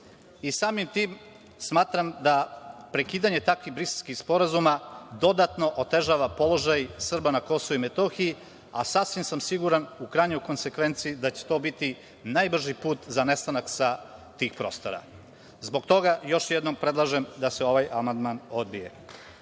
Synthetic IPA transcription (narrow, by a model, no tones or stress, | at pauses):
isaːmimt̪iːm | smaːt̪ɾamd̪apɾe̞kiːd̪aɲe̞t̪akʋiɣbɾiselʲskixspo̞ɾazumad̪o̞d̪at̪no̞ʔot̪e̞ʒaːʋapo̞lˠo̞ʒajsr̩banako̞souimet̪o̞xiji | asasʋimsamsiɡuɾanukɾajɲo̞jko̞nse̞kʋe̞nt̪siid̪at͡ɕe̥t̪obit̪i | najbr̩ʒipuːt̪zane̞st̪anaksat̪iːxpɾo̞ːst̪o̞ɾa̰ | zbo̞ɡt̪o̞ɡajo̞ʃjɛd̪no̞mpɾed̪lˠaʒemd̪aseo̞ʋajamand̪mano̞d̪bije̞̰